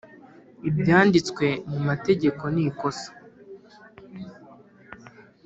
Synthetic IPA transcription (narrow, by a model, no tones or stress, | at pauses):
ibjaːndit͡skwe̞mumate̞ɟe̞ko̞niko̞sḁ